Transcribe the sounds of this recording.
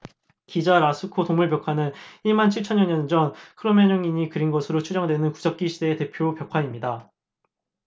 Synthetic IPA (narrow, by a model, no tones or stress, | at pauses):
kid͡ʑaɾasʰɯkʰotoŋmuɭpjʌkʰanɯniɭmant͡ɕʰiɭt͡ɕʰʌɲjʌɲʌnd͡ʑʌnkʰɯɾomeɲoŋiɲikɯɾinɡʌsʰɯɾot͡ɕʰud͡ʑʌŋdwe̞nɯnkud͡ʑʌk̚k͈iɕʰide̞ːte̞pʰjopjʌkʰaimɲida